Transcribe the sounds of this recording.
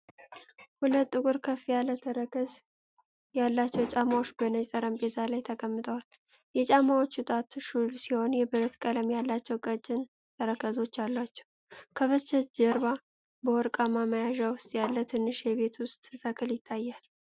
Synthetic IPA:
hulət̪ʼːɨkʼuɾkʰəfijalːət̪ʰəɾəkəz | jalːat͡ʃːɛwt͡ʃʼamawo̞t͡ʃːbənəzʼt̪ʼəɾəmbezalajt̪ʰəkʼəmːɨt̪ʰʼəwal | jɛt͡ʃʼamːawot͡ʃːʊt̪ʼat̪ɨʃulsiho̞njɛbɨɾət̪kʼələmjalːat͡ʃːɛwkʼəd͡ʒʼɪn | t̪ʰəɾəkʰəzo̞t͡ʃːjalːat͡ʃːɛ̥w | kʰəβət͡ʃːɛt̪d͡ʒəɾβa | bəwɔɾkʼamaməjaʒawʊst̪ʼjalːət̪ʰɨnːɨʃjɛβe̞t̪wʊst̪ʼət̪ʰakʰəljɪt̪ʰːajːal

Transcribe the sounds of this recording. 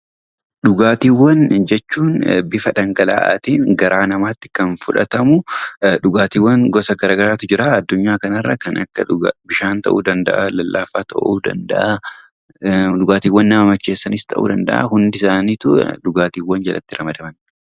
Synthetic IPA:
ɗʊɡaːt̪iːwːɐnd͡ʒɛt͡ʃːuːnbɪfɐᶑɐŋɡɐla̰ːʔa̰ːt̪iːŋɡɐɾʔaːnɐmaːt̪ːɪ̥kɐnfʊᶑɐ̰t̪ɐmʊᶑʊɡaːt̪iːwːɐnɡɔsɐɡɐɾaːɡɐɾaːt̪ʊd͡ʒɪɾaːɐd̪ːʊɲːaːkɐnɐrːɐkɐnʔɐ̰kːɐbɪʃaːnt̪ɐ̰ʔṵːd̪ɐnd̪ɐ̰ʔalɐlːʔaːfːaːt̪ʰɐ̰ʔṵːd̪ɐ̰nd̪ɐ̰ʔ | ᶑʊɡaːt̪iːwːɐnːɐmɐmɐt͡ʃːe̞ːsːɐnɪst̪ʰɐ̰ʔṵːd̪ɐnd̪ɐ̰ʔa̰hʊnd̪ɪsaːniːt̪ʊᶑʊɡaːt̪iːwːɐnd͡ʒɐlʔɐ̰t̪ːɪɾɐmɐd̪ɐmɐn

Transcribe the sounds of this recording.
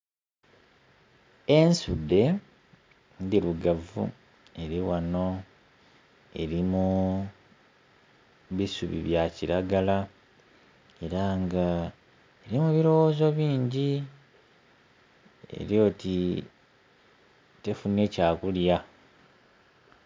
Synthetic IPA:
e̞nsudːe̞ | ndiɾuɡavṵ | e̞ɾiwano̞ | e̞̰ɾimu | βisuβḭβjaciɾaɡala | e̞ɾaŋɡa | eɾimuβiɾo̞wo̞ːzo̞βiːɲɟi | e̞̰ɾjo̞ːti | te̞fune̞caːkulja

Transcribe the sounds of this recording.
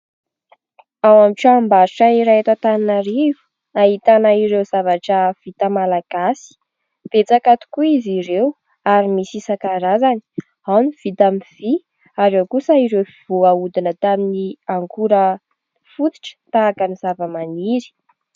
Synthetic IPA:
awamiʈ͡ʂambaɾiʈ͡ʂaiɾaet̪at̪aninaɾivu̥ | aɦit̪anaiɾewz̥avaʈ͡ʂəv̥it̪əmalaɡ̥asi̥ | b̥et͡sakat̪u̥kuiziɾew | aɾimisisakaɾazani̥ | awniv̥it̪amiv̥i | aɾewkusəiɾewv̥uaud̪inət̪aminiaŋkuɾə | fut̪i̥ʈ͡ʂə̥t̪akaniz̥avəmaniɾi̥

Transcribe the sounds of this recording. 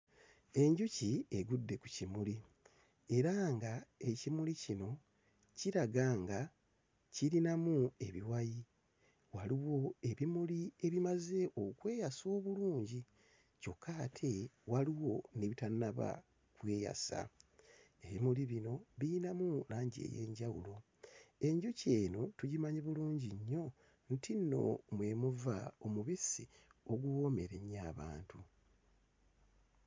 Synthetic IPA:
e̞ɲɟucieɡudːe̞ku̥cimuli | e̞ɾaŋɡae̞cimulicino̞ | ciɾaɡaːŋɡa | ciɾinamue̞βiwaji | waliwo̞e̞βimulie̞βimaze̞ʔokwe̞ːjaso̞ːβuluːɲɟi | co̞kʰaːtʰe̞waliwo̞neβitannaβa̰ | kwe̞ːja̰sa̰ | e̞βimuliβino̞βiːnamulaːɲɟe̞̰ːje̞̰ːɲɟawṵlo̞ | e̞ɲɟuce̞ːnotuɟimaɲiβuluːɲɟiɲːo̞ | ntʰinːo̞̰mwe̞ːmuva̰o̞muβisio̞ɡuwo̞me̞ɾe̞ɲːaːβa̰ːntu

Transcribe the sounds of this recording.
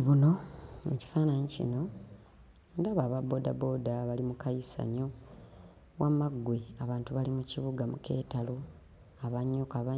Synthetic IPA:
iβuno̞eci̥faːnaɲicḭno̞ | ŋɡaβaβabo̞ːdabo̞ːdaβalimukʰajisa̰ɲo̞ | wamaɡwe̞aβaːntuβalimuciβuɡamuke̞ːtalo̞ | aβaɲːokaβa

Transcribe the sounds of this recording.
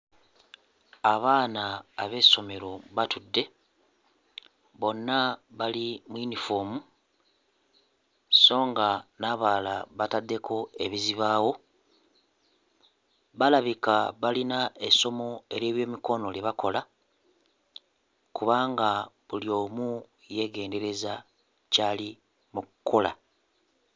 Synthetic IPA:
aβaːnaːβe̞so̞me̞ɾo̞βatudːe̞ | βo̞nːaβalimujunifo̞ːmu | so̞ːŋɡanaβaːla̰βatadːe̞kʰo̞e̞βiziβaːwo̞ | βalaβikaβalinaʔeso̞moe̞ɾje̞ːβje̞ːmiko̞no̞liβako̞la | kuβaːŋɡaβuljo̞ːmu | je̞ːɡe̞ːnde̞ɾe̞za | caːli | mukukʰola̰

